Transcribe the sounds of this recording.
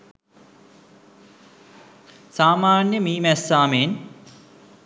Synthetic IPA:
saːmaːnjəmiːmæsaːmeːn

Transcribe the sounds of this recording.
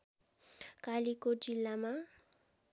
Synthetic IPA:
kalikod͡zilːama

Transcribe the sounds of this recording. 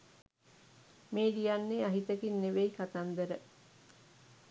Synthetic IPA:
meːdijanːeaɦit̪əkinːeʋejkat̪and̪əɾə

